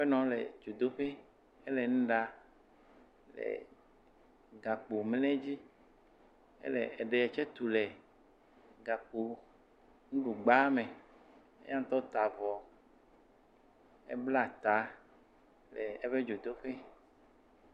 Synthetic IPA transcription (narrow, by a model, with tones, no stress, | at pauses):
ɸe˦nɔ̃˨lɛ̰˨d͡ʒo˨d̪o˦ɸe˦ | e˦lɛ˨ŋũ˦ɖa˨ | lɛ̰˨ | ɡa˨k͡po˨m˦lɛ̃˦d͡ʑi˦ | ḛ˦lɛ̰˨e˨ɖe˨ɛ˨t͡ʃɛ˦t̪u˨lɛ˨ | ɡa˨k͡po˨ | ŋũ˦ɖu˨ɡ͡ba˦mẽ˨ | ḛ˦ja˦ŋ̩˦t̪ɔ˦t̪a˨vɔ˨ | ḛ˦bla˦˨t̪a˨˦ | lɛ˨e˦ɸe˦d͡ʒo˨d̪o˦ɸe˦